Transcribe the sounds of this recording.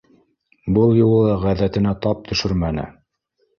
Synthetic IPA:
bɤlˠjulˠɤ̆lˠɑʁæðæt̪ɘ̆næt̪ɑp̚t̪ʰɵ̆ʃɵɾmænɘ̰

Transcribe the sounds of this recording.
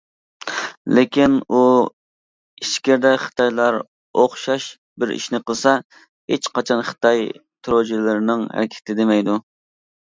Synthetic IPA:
lekʲʰinu | iʃkʲɪɾd̪ɛχɨ̥t̪ʰɑjlˠɑɾ | oχʃɑʃ | bɪɾḭʃnɪqəlˠsɑ | et͡ʃqʰɑt͡ʃʰɑnχɨ̥t̪ʰɑj | t̪ʰɾod͡ʒilɪɾɪnɪŋhæ̰ɾɪkʲʰɪ̥t̪ʰɪd̪emɛjd̪u

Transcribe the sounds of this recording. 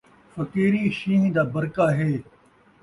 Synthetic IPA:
fɐkiːɾiːʃiːnd̪aːbɐɾkaːɦeː

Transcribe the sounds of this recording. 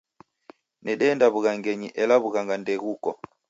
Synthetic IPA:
nɛɗɛːndaβuɣaŋɡɛɲiʔɛlaβuɣaŋɡandɛɣukɔ

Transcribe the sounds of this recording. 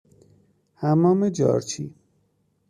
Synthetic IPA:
hæmɒːmed͡ʒɒ̰ːɾt͡ʃʰiː

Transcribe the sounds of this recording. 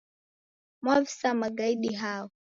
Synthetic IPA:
mwavisamaɡaiɗiɦaːwɔ

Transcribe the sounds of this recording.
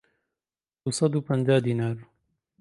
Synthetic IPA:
d̪̥usˤɑd̪uːpɐnd͡ʒaːd̪iːnaːɾ

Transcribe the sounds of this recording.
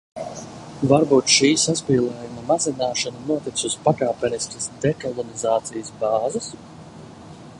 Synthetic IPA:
vaɾbuːt̪ʃiːsaspiːlˠɛːjumɐmazinaːʃanɐnuɔt̪it̪suspakaːpʲɛniskɐsd̪ɛkɔlˠɔnizaːt̪sijəsbɑːzɐs

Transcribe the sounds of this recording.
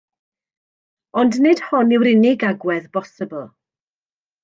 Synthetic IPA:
ɔndnɨd̥hɔnɪwɾɪnɪɡaɡwɛðbɔsəbəlˠ

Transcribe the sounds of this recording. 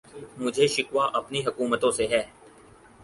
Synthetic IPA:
mʊd͡ʒʱeʃɪkʋaʔɐpniɦəkuːmət̪õseɦɛː

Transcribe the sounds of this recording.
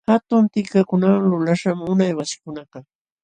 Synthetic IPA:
hat̪ʊnt̪ɪkakʊnawaŋlʊlaʃamʊnajwasɪ̥kʊnɑqɑ

